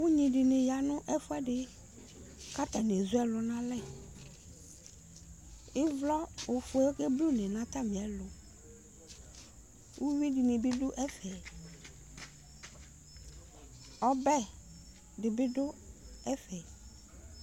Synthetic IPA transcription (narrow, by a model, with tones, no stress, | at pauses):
wu˦ɲĩ˨ɖɪ˨nɪ̃˨ja˨nʊ̃˦ʔɛ˦fʊ˦ɛ˦ɖɪ˦ | ka˦t̪a˨n˨e˨zʊ˦ɛ˦lʊ˨nã˦lɛ˦˨ | ɪ˦vlɔ˦o˨fʊ˨ɛ˨˦ke˦blu˦nɛ̃˨nã˦t̪a˦mĩ˨ɛ˨lʊ˨ | wʔu˦wi˦di˨nẽ˨bɪ˦ɖʊ˦ʔɛ˦fɛ˨ | ɔ˦bɛ˦ | dɪ˨bɪ˦dʊ˦ɛ˦fɛ˨